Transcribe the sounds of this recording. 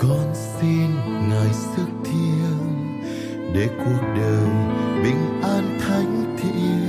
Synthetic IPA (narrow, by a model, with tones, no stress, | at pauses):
kɔ˧nsi˧n | ŋaː˨˩jsɨ˦˥k̚t̪ʰi˧əw | ɗe˧˩ku˨˩ək̚ɗəː˨˩jɓï˨˩ŋ̟ʔaː˧nt̪ʰa˧˦jŋ̟t̪ʰḭ˧˥